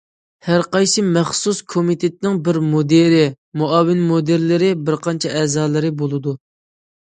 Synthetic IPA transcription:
hæɾqɑjsɨmɛχsuskʰomit̪ʰet̪ɪnɪŋbɪɾmod̪eɾɪ | muɑːwɪnmod̪eɾlɪɾɪbɪɾqʰɑnt͡ʃʰɛʔɛːzɑːlˠɨɾɪbolˠɨd̪u

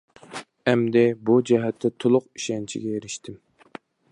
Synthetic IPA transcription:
ɛmd̪ɪbud͡ʒɛɦɛt̪ʰːɛt̪ʰolˠʊqi̥ʃɛnt͡ʃʰḭɡʲɛjeɾɪʃt̪ʰɪm

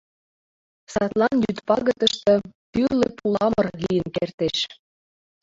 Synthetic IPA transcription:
sɑt̪lɑnjyt̪pɑɣə̆t̪ə̆ʃt̪ɤ̆pyrlepulɑmɤ̆rlijənkert̪eʃ

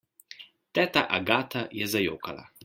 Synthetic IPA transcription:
t̪ɛt̪aʔaɡaːt̪ajɛzajo̰ːkala̰

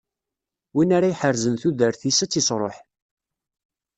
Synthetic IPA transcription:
winaɾajħəɾzənθuðəɾθisæt͡sːisɾˤo̰ħ

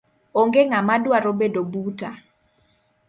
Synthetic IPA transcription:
oŋɡeŋamadwaɾobedobuta

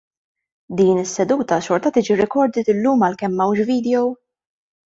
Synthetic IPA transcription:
d̪iːnɪsːɛd̪uːt̪ɐʃɔɾt̪ɐt̪iːd͡ʒiɾɪkɔɾd̪ɪt̪ɪlːuːmɐlkɛmːɐwʃviːd̪ɛjɔw

